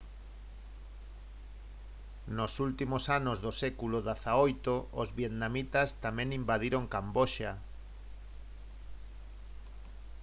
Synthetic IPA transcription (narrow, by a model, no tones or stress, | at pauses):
nosult̪imosanozðosɛkuloðaθaojt̪oo̰zβjet̪namit̪ast̪amɛ̃ŋimbað̞iɾoŋkamboʃa